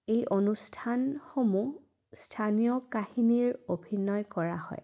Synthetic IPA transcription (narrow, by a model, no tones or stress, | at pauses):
ejʔonustʰanxomu | stʰanijɔkahiniɹobʱinɔjkɔɹahɔ̰j